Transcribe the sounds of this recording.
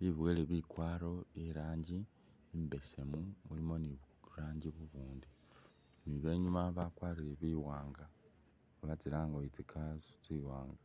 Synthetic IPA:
βiβweleβikwaːɾo̞eɾaːɲɟiː | mbe̞se̞mumulimo̞niβ | ɾaːɲɟiβuβuːndi | niβe̞ːɲumaβakwaːɾiɾeβiwaːŋɡa | βat͡silaːŋɡoit͡sikʰazt͡siwaːŋɡa

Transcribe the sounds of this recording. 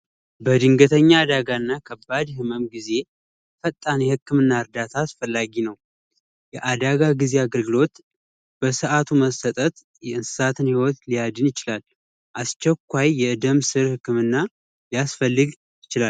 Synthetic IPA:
bəd̪ɨŋɡət̪ʰəɲːaːd̪aɡaɨnːakʰəbːad̪hɨməmɡize̞ | fət̪ʼːanjɛhɨkːɨmɨnːaɨɾd̪at̪ʰaːsfəlːaɡinəw | jɛʔad̪aɡaɡize̞aɡəlɡɨlo̞t̪ | b̥əsɨʔat̪ʰuməsət̪ʼət̪ | jɛɨnsɨ̥sat̪ʰɨnhiwot̪lijad̪ɨnjɪt͡ʃɪlal | ʔast͡ʃɛkʷːajːɛɨd̪əmsɨɾhɨkːɨmɨnːa | lijasfəlːɨɡ | jɪt͡ʃɪlal

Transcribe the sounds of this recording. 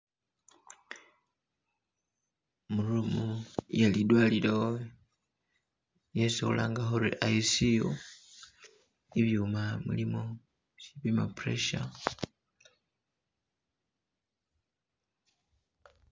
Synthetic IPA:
mulumujalidwaːlilao | jeseṵla̰ːŋɡaxoɾḭʔaisio | iβjuːmamṵlimo | ʃiβima̰pɾḛʃa

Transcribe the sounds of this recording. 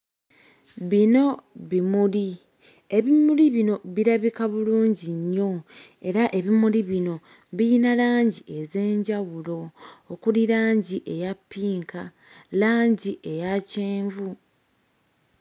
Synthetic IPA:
βino̞βimuli | e̞βimuliβino̞βiɾaβikaβuluːɲɟiɲːo̞ | e̞ɾaʔe̞βimuliβino̞ | βijinalaːɲɟiʔe̞ze̞ːɲɟaβulo̞ːkuliɾaːɲɟiʔe̞japːiːŋka | laːɲɟiʔe̞jaceːɱvu

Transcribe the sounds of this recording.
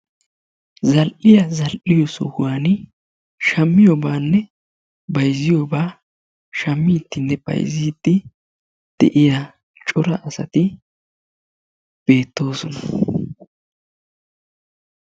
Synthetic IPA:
zɐlʔɪjɐzɐlʔɪjɔsɔ̰ɡwaːn | ʃɐmːɪjɔbaːnːɛ | bɐjzɪjoːbaː | ʃɐmːɪt̪ːɪnːɛb̥ɐ̰jzɪːd̪ːɪ | d̪̥ɛ̰ʔɪja | t͡ʃʼʊɾɐʔɐsɐ̰t̪ɪ | b̥e̞ːt̪ːo̞ːsɔnɐ̥

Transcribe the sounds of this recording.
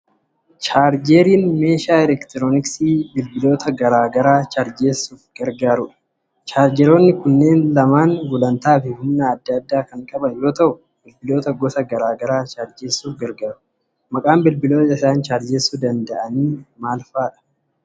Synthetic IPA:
t͡ʃaːɾd͡ʒeːɾiːnme̞ːʃaːɛlɛkt̪ɾoːnɪksiːbɪlbɪlo̞ːt̪ɐɡɐɾaːɡɐɾaːt͡ʃaɾd͡ʒeːsuːfɡ̥ɐɾɡaːɾʊᶑɐ̥ | t͡ʃaːɾd͡ʒɛɾo̞ːnːɪkʊnːe̞ːnlɐmaːnwʊlɐnt̪aːfɪhʊnːɐːd̪ːɐːd̪ːaːkɐŋkʼɐbɐnjo̞ːt̪ɐʔʊ | bɪlbɪlo̞ːt̪ɐɡɔsɐɡɐɾaːɡɐɾaːt͡ʃaːɾd͡ʒeːsːuːfɡɐɾɡaːɾʊ | mɐkʼaːmbɪlbɪlo̞ːt̪ɐɪsaːnt͡ʃaːɾd͡ʒeːsud̪ɐnd̪ɐʔɐniːmaːlfaːᶑɐ̥

